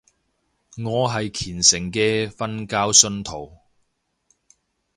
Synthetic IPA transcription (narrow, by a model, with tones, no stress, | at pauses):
ŋɔː˨˧ɦɐ˨jkʰiː˨˩nsɪ˨˩ŋkɛː˧fɐ˥nkaː˥wsɵ˧nt̪ʰo˨˩w